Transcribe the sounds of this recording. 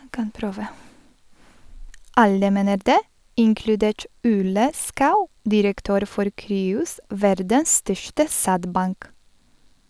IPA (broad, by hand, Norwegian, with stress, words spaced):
ˈɑlə ˈmeːnəɾ ˈdeː ˈɪŋklʉˌdeːʈ ˈuːlə ˈskɑʉ ˈdɪɾəkˌtøːɾ ˈfɔɾ ˈkɾyːʊs ˈʋæɾdəs ˈstœʃʈə ˈsædˌbɑŋk